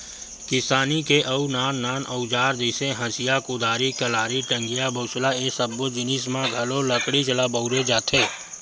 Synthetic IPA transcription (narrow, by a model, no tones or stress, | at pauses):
kɪsaːnikeʔɐunaːnːaːnəud͡ʒaːɾd̪iːsẽɦə̃sijakʊd̪aːɾikəlaːɾiʈə̃ŋɡijabəːt͡ʃlaesəbːod͡ʒɪniːsmãɡʱɐloləkɽit͡ʃəlabəʊɾed͡ʒaːt̪ʰeː